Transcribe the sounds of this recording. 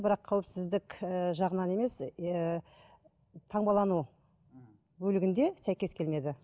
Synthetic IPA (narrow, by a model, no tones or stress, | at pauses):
bɪɾɑqʰːɑwəpsɪzd̪ɪkʒɑʁənɑne̞me̞s | t̪ʰɑɴbɑlˠɑnu | bɵlɪɡʲɪnd̪e̞sæjkʲe̞skʲe̞lme̞d̪ɪ